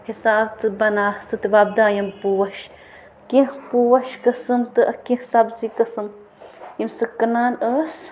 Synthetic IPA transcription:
hisaːbt͡sɨbɐnaːt͡sɨt̪ibab̚d̪aːjɐmpuwɐʃ | kihpuwɐʃkɐsɨmt̪ɨʔɐkĩhsaːbzikɐsɨm | jimsɨkɐnaːnəs

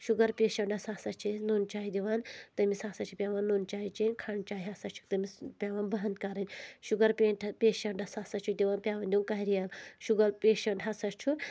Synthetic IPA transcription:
ʃuɡɐɾpʲeːʃɐɳɖɐsaːsɐt͡ʃʰinoːnt͡ʃaːjid̪ʲiʋaːnt̪ɐmisaːsɐt͡ʃʰipʲaːʋaːnːoːnt͡ʃaːjit͡ʃenkʰaɳt͡ʃaːjiɦasɐt͡ʃʰu̥kt̪ɐmispʲaːʋaːnbɐɦɐnt̪kaɾɨnʲʃuɡɐɾpʲeːɳʈʰpʲeːʃɐɳɖɐsaːsɐt͡ʃʰukd̪ʲiʋaːnpʲaːʋaːnd̪ʲuːnkɐɦiɾijalʃuɡɐlpʲeːʃɐɳʈɦɐsɐt͡ʃʰu

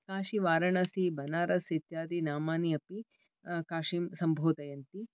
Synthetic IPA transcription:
kaːʃiʋaːɾɐɳɐsibɐnaːɾɐsit̪jaːd̪inaːmaːniɐpi | kaːʂimsɐmbʱoːt̪ɐjɐnt̪i

